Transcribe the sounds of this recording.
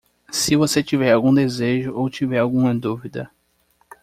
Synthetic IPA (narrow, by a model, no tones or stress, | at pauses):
sɪvoset͡ʃivɛɾawɡũd̪ezeʒʊʔowt͡ʃivɛɾawɡũmɐd̪uvid̪ɐ